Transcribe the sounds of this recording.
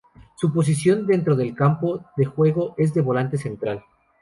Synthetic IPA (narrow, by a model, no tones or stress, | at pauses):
supo̞s̬isjo̞nd̪e̞nt̪ɾo̞ðe̞lkampo̞ðe̞xwe̞ɣo̞ʔe̞zðe̞βo̞lant̪e̞se̞nt̪ɾal